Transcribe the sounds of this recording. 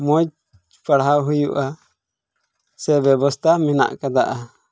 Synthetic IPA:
mɔt͡ʃ | paɽɦawɦujuʔa | sɛbɛbɔst̪ʰamɛna̰ʔkad̪aʔa

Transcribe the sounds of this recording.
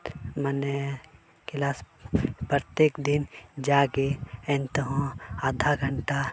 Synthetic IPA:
məne | kɪlaːspɾət̪jeːkd̪ind͡ʒaːɡeẽnt̪əɦõad̪ʱaɡʱəɳʈa

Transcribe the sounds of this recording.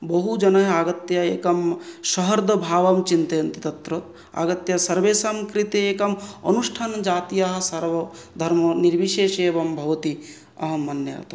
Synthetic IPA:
bɐɦud͡ʒɐnɐɦɐaːɡɐt̪jɐeːkɐmʃɐɦɐɾd̪ʱɐbʱaːʋɐmt͡ʃint̪ɐjɐnt̪i̥t̪ɐt̪ɾɐ | a̰ːɡɐt̪jɐsɐɾʋeːsɐmkɾit̪ieːkɐmɐ̰nuʂʈʰaːnd͡ʒaːt̪ijaɦɐ̆sɐɾʋɐd̪ʱɐɾmɐniɾʋiʃeːʃeːʋɐmbʱɐʋɐt̪i | ɐɦɐmːɐnjɐja̰ːt̪ɐ

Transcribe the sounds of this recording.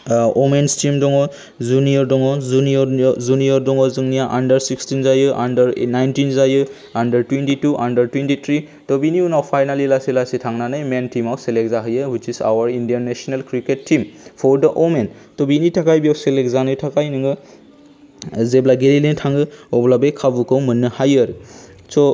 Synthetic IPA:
ɔmenstimdɔŋɔ | zuniɔɾdɔŋɔzuniɔzuniɔɾdɔŋɔzɯŋnijaʔandɐɾsikstinzajɯʔandɐɾnajntinzajɯ | andɐɾtwentituʔandɐɾtwentit̪ʰɾi | tɔbiniunawpʰajnalilasilasitʰaŋnanɯjmentʰimawselek̚zaɦɯjɯhutisa̰waɾindiaɾnesɔnalkɾiketʰːimpʰɔɾdɐʔomentɔbinitʰakajbiawselekzanɯtʰakajnɯŋɯ | zeblaɡeɾilintʰaŋɯɔblabekʰabukʰɯwmɯnːɯhajɯɾsɔ

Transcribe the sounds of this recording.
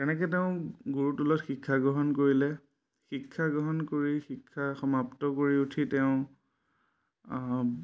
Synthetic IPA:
kɛnɛk̬ɛteʊ̃ɡuɹutulɔtxikʰːaɡɹɔɦɔnkoɹilɛ | xikʰːaɡɹɔɦɔnkoɹixikʰːaxɔmaptɔkoɹiutʰitɛʊ̃

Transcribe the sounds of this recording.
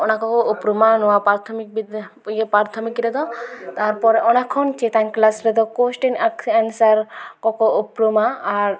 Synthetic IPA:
ɔnakɔkɔupɾumanɔwapɾaɾt̪ʰɔmik̚bid̪ | jepɾaɾt̪ʰɔmikɾɛd̪ɔt̪aɾpɔɾeʔɔnakʰɔnt͡ʃet̪anklasɾɛd̪ɔkosʈinaksansaɾkɔkɔupɾumaːɾ

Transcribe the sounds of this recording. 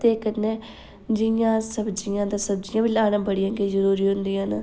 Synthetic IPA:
t̪eːkəneː | d͡ʒɪjãːsəbd͡ʒɪjãːd̪aːsəb̚d͡ʒɪjãːʋiːlaːnãːbəɽɪjãːɡeːzəɾuːɾiːɦʊ̃nd̪ijãːnː

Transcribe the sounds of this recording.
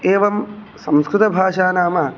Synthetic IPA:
eːʋɐm | sɐmskɾut̪ɐbʱaːʂaːnaːmɐ

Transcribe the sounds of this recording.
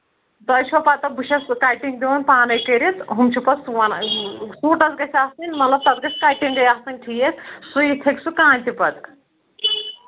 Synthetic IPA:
t̪ɐjt͡ʃʰopaːt̪ɐbuʃʰɐskaːjʈiŋɡd̪ionpaːnɐjkɐɾit̪ʰɦumt͡ʃʰupɐsʋɐnsuːʈɐsɡɐsʰʲaːsɨnʲmɐt̪lɐb̚t̪ɐt̪ɡɐsʲkaːjʈiŋɡ̪ɐjaːsɨnʲʈʰiːet̪ʰsujit̪ʰeksukãːnʲt̪ipɐt̪k

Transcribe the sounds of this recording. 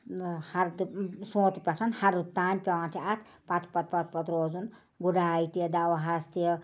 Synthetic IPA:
hɐɾd̪soːt̪pʲɐʈʰɐnhɐɾut̪ːaːnʲpʲɐwãːnt̪ʲʰiat̪ʰ | pɐt̪ʰpɐt̪pɐt̪̚pɐt̪ɾoːzun | ɡuɖaːit̪id̪awɐɦast̪

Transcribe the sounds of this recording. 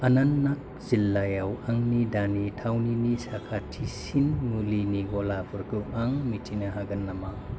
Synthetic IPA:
ɐnanːak̚ | z̥ilːajawaŋnidanitʰawninisakʰatʰisinmuliniɡɔlapʰɯɾkʰuaŋmitʰinaɦaɡɐnːamaŋ

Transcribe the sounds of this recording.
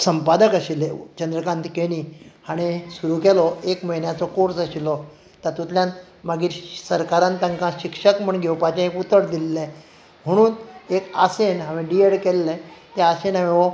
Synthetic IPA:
səmpad̪əkəɕilet͡ɕənd̪ɾəkãnt̪keɽ̃ihaɽ̃isuɾuːkɛlɔekməɦinjat͡sɔkoɾsəɕilɔ | t̪at̪ut̪ljãn | maɡiːɾsəɾkaɾãnt̪ãŋkãɕikʂəkm̤əɳɡʱɛwpat͡ɕẽekut̪əɽd̪ilːẽ | m̤əɽ̃uːnekasenɦaʋĩɖieɽkelːet̪easenaʋeʋɔ

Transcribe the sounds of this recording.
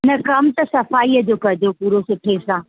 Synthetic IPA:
nɐkɐmt̪ɐsɐfaːiːəd͡ʑoːkɐd͡ʑopuːɾosʊʈʰesãː

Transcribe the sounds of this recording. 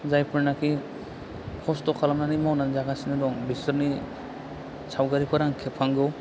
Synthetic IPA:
zajpʰɯɾnakʰi | kʰɔstɔkʰalamnanimawnanzaɡasinadɔŋbisɔɾni | sawɡaɾipʰaɾaŋkʰɛpʰaŋɡɯw

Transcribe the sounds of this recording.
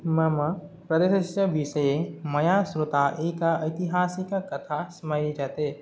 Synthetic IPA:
məməpɾəd̪esssəbiseeməjasɾot̪aʔekaəɪt̪iɦasikkət̪ʰasməjid͡ʒat̪e

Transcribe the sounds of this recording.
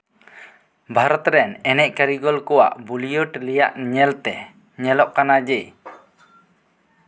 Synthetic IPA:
bʱaɾɔt̪ɾɛnɛnɛʔkaɾiɡɔlkɔwa̰ʔbulijɔʈlijaʔɲɛlt̪ɛ | ɲɛlɔʔkanad͡ʒɛ

